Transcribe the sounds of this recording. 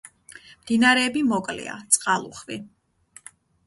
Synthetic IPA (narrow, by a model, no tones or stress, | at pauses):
md̪̥inaɾɛːbimɔkʼlɛ̰a̰t̪sʼqʼalˠṵχvi